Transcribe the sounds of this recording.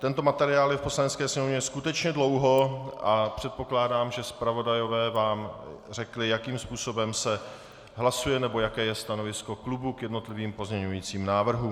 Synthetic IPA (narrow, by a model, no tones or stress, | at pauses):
t̪ɛnt̪o̞mat̪ɛɾɪaːljɛfpo̞slanɛt͡sskɛːsɲɛmovɲɛskut̪ɛt͡ʃɲɛdlo̞wɦo̞ʔapr̥ɛt̪̚po̞klaːdaːmʒɛspɾavo̞dajo̞vɛːvaːmr̝ɛklɪjakiːmspuːso̞bɛmsɛ | ɦlasujɛnɛbo̞jakɛːjɛst̪ano̞vɪsko̞klubukjɛdno̞t̪lɪviːmpo̞zɲɛɲujiːt͡siːmnaːvr̩ɦu